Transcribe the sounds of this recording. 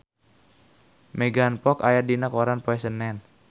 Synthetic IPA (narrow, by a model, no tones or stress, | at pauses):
mɛɡanpɔkajadinakɔɾanpɔɛsənɛn